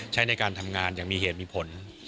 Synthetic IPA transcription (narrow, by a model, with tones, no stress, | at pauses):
t͡ɕʰa˦˥˩jna˧jkaː˧nt̪ʰa˧mŋaː˧njaː˨˩ŋmiː˧heː˨˩t̪̚miː˧pʰo˩˦n